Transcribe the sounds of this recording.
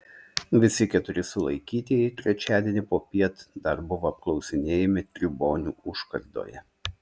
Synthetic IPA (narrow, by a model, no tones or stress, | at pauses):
ʋʲɪsʲɪkʲɛt̪ʊɾʲɪsʊlˠɐ̰ɪkʲiːt̪ʲijɛɪt̪ʲɾʲɛt͡ʃʲæːd̪ʲiɛnʲɪpoːpʲiɛt̪d̪ɐɾbʊʋoːɐp̚klˠɒʊsʲɪnʲeːjɛmʲɪt̪ʲɾʲɪboːnʲuːʊʃkɐɾd̪o̰ːjɛ̰